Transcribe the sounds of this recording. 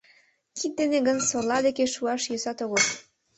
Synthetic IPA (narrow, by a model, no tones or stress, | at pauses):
kʰit̪̚d̪eneɡənsorlɑlekeʃuɑʃjøsɑt̪oɣo